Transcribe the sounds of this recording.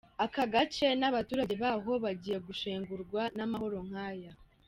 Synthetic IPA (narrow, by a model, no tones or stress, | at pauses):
akaɡat͡ʃe̞naβatuːɾaɟe̞βaɦo̞βaɟije̞ɡuʃeːŋɡuɾɡwanamaho̞ɾo̞ŋ̥haːja